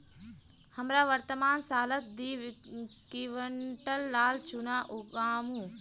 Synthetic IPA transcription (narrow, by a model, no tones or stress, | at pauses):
hɐmɾaːʋɐɾt̪əmaːnsaːlɐt̪̚d̪iːkiʋɐɳʈəlːaːlt͡ʃunaːʔuɡaːmũ